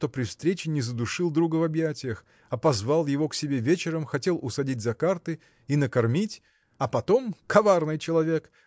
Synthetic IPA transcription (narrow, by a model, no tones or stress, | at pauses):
t̪opɾʲɪfst̪ɾʲet͡ɕɪnʲɪzəd̪ʊʂɨlˠd̪ɾuɡəvɐbjætʲɪjəx | ɐpɐzvalˠjɪvo̞ksʲɪbʲe̞vʲet͡ɕɪɾəmxɐtʲe̞lˠʔʊsɐdʲitʲzɐkart̪ɨ | inəkɐrmʲitʲ | ɐpɐt̪o̞mkʰɐvarnɨjt͡ɕɪlˠɐvʲe̞k